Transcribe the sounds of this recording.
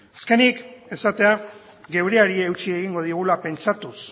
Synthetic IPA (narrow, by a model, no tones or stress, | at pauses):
aske̞nike̞sat̪e̞a | ɣe̞wɾeaɾiewt͡ʃie̞ɣiŋɡo̞ð̞iɣ̞ulape̞nt͡ʃat̪us